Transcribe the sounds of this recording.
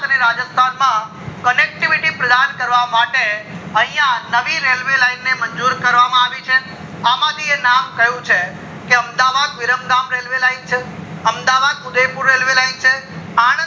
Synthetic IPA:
əneɾad͡ʒəst̪ʰanmã | kənek̚ʈiʋiʈipɾəd̪ankəɾʋamaʈeə̃ɦĩjãnəʋiɾelʋelaɪnːeməɲd͡ʒuɾkəɾʋamãaʋit͡ʃʰe | aːmad̪inamkɐɦjũt͡ʃʰe | keəmd̪aʋad̪ʋɪɾəmɡamɾelʋelaint͡ʃʰeəmd̪aʋad̪ʊd̪epuɾːelʋelaint͡ʃʰeã

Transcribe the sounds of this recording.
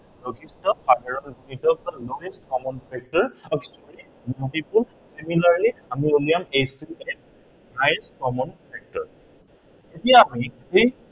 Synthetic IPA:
noɡʰistɔpʰadʱaɹɔnmitɔkaloeskɔmɔnpʰɛk̚tɔɹɔksɔli | multipul | similaɹliamiolijamejsiɛk̚ | najskɔmɔnpʰɛk̚tɔɹ | etijaːmihej

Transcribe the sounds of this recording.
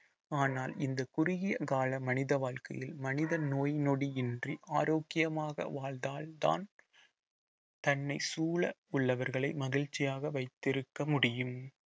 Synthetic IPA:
aːnaːlɪnd̪ɐkʊɾɪɣɪjɐkaːlɐmɐnɪðɐʋaːɭkɐ̰jɪlmɐnɪðɐnoːjnɔɽiɪndriʔaːɾoːkːɪjɐmaːɣɐ̰ʋaːɭd̪aːlt̪a̰ːn | t̪ɐnːɐɪsuːɭɐʊɭːɐʋɐɾɣɐɭɐɪmɐɣɪɻt͡ʃːɪjaːɣɐʋɐɪt̪ːɪɾɯkːɐmʊɽɪjɯm

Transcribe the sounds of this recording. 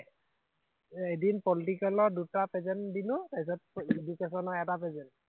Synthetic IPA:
edinpɔlitikalɔɹdutapɛzɛndinʊtaisɔt̚ed͡ʒukesɔnɔɛtapɛzɛn

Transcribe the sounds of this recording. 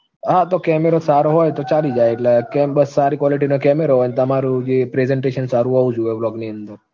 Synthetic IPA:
ɦãt̪okɛːmeɾosaːɾoɦoːjt̪ot͡ʃaːlid͡ʒaːeklakɛbɐsːaːɾikwɔːliʈinokɛːmeɾoɦoːjnt̪ɐmaːɾud͡ʒepɾezeɳʈeːʃənsaːɾuoud͡ʒueblɔːɡniə̃nd̪əɾ

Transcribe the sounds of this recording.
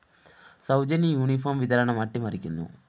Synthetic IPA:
sɐwd͡ʒɐnijuːnipʰoːmʋid̪ɐɾɐɳɐmɐʈːimɐɾikind̪ṵ

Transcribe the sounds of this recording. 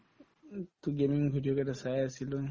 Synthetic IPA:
tʊɡemiŋɡʱudijɔkɛdasajasilɔ

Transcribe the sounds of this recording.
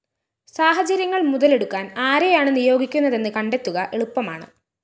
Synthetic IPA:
saːɦɐt͡ɕɐɾjɐŋːɐɭmuðɐle̞ɽukːaːnaːɾejaːɳɨnijo̞ːɡikʲːunːɐðe̞nːɨkɐɳɖe̞t̪ːuɣɐʔe̞ɭupːɐma̰ːɳɨ̰

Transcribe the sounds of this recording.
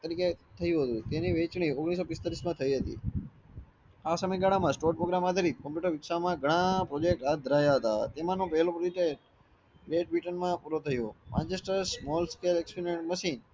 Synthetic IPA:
t̪əɾiket̪ʰəjũɦət̪ũt̪eniʋet͡ʃɳ̃ioɡɽ̃is̬opɪst̪aɾismãt̪ʰəiɦət̪ḭ | asəməjɡaɽamãsʈoɾʈpɾoɡɾamad̪ʱəɾikəmpjuʈəɾʋɪkʃamãɡʱəɽ̃ãpɾod͡ʒek̚ʈad̪ʱəɾajaɦət̪a̰t̪emãnõpɛɦlopɾd͡ʒeʈe | ɾeʈ̚ʋiʈənmãpuɾot̪ʰəjõmʔã̰nt͡ʃesʈəɾsmɔlskelekspineɳʈməʃin

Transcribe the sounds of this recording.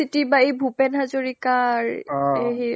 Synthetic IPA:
itibaejbʱupɛnazoɹikaɹeɦi

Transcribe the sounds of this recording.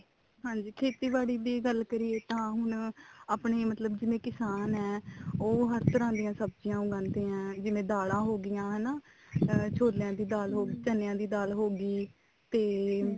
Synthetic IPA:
ɦãːɲd͡ʒiːkʰeːt̪iːbaːɽiːd̪iːɡəlkəɾieːt̪ãːɦʊnaːpɳeːmət̪ləbd͡ʒɪʋẽːkɪsaːnɛːoːɦəɾt̪ʰəɾãːd̪ɪjãːsəbd͡ʒijãːʊɡãːnt̪eːãːd͡ʒɪʋẽːd̪aːlãːɦoːɡɪjãːɦɛːnaː | t͡ʃʰoːjãːd̪iːd̪aːlɦoːɡiːt͡ʃənjãːd̪iːd̪aːlɦoːɡiː | t̪eː

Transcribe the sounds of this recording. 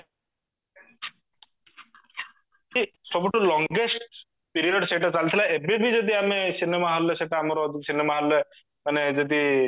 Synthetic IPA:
d͡ʒisɔbuʈʰulɔŋɡesʈ̚ | piɾioɖseʈat͡salt̪ʰilaebibʱid͡ʒod̪iamesinemaɦɔlɔt͡ʃʰet̪eamaɾɔd̪ʱiksinemaɦalɛ | mɐned͡ʒɔd̪i

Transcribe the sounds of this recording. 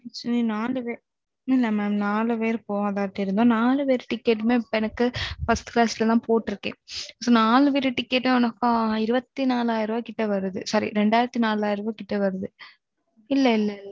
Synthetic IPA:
sninaːlɯʋeː | ɪlːɐmɛːmnaːlɯʋeːɾɯpoːʋaːðaːɾʈ̪ːɐɪɾɯnd̪õːnaːlɯʋeːɾɯʈɪkːeːʈ̬ːɯmeːɪpːoɛnɐkːɯfɐst̪ɯ̥klaːsɪlɐlãːpoːʈːɪɾɯkːḛ̃ːsoːnaːlɯʋeːɾɯʈɪkːeːʈmeɐnɐkːãːɪɾɯbɐt̪ːinaːlaːjɪɾɯʋoːkɪʈːɐʋɐɾɯðɯsɐɾḭɾɛɳɖaːɪɾɐt̪ːinaːlaːjɪɾɐʋoːkɪʈːɐʋɐɾɯðɯ | ɪlːɐɪlːɐɪlː

